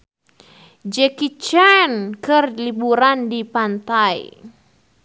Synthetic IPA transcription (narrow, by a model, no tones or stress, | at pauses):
d͡ʒɛkit͡ʃɛnkɨrlibuɾandipant̪aḭ